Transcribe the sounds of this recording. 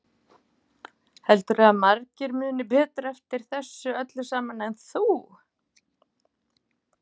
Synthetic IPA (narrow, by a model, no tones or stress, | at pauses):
hɛlt̪ʏɾaðmaɾcɪɾmʏːnʏpɛːt̪ɾaɛft̪ɪɾ̥θɛsːʏœt̪lʏsaːmanːanθuː